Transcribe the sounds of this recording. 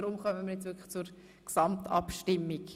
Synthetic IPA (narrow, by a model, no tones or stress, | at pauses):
ɾʊmχœməmiɾjɛt͡sʋʏɾklə̥t͡suɾ | ksɑmtʰɑ̰pʃtɪmːik